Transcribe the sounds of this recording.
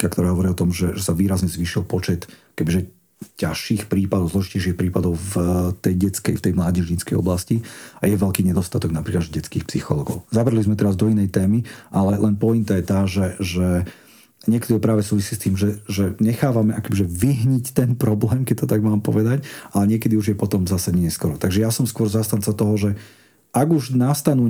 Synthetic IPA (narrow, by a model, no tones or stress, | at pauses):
kakt̪ɔɾaːɦɔʋɔɾiɔt̪ɔmʒɛʒɛsaʋiːɾazɲɛzʋiːʃilpɔt͡ʃɛt̪akɛbiʒɛ | caʃiːxpɾiːpad̪ɔʊzlɔʒicɛjʃiːxpɾiːpad̪ɔʊft̪ɛjɟɛt͡skɛ̰jft̪ɛjmlaːɟɛʒɲit͡skɛ̰jɔ̰blasciajɛʋɛlkiːɲɛd̪ɔst̪at̪ɔɡnapɾiːklad͡ʒɟɛt͡skiːxpsixɔlɔːɡɔʊzabɾɛlizmɛt̪ɛɾazd̪ɔinɛjt̪ɛːmiʔalɛlʔɛnpɔint̪ajɛt̪aːʒɛʒɛ | ɲɪɛkɛd̪iɔʊpɾaːʋɛsuːʋisiːst̪iːmʒɛʒɛɲɛxaːʋamɛʔakɔbiʒɛʋiɦɲict̪ɛnpɾɔblɛːmkɛc̚t̪ɔt̪aɡmaːmpɔ̰ʋɛd̪acʔalɛɲɪɛkɛd̪iuʒjɛpɔt̪ɔmzasaɲɛɲɛskɔɾɔt̪aɡʒɛjasɔmskʊɔɾzast̪ant͡sat̪ɔɦɔʒɛ | aɡuʒnast̪anuː